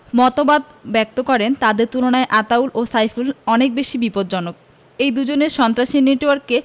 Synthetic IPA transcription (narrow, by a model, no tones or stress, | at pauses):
mɔt̪obad̪bɛk̚t̪okɔɾent̪ad̪eɾt̪ulonaeʔat̪aulʔosajfʰulɔnek̚beʃibipod̪̚d͡ʑɔnok̚ | ejd̪ud͡ʑoneɾʃɔnt̪ɾaʃineʈoaɾkːe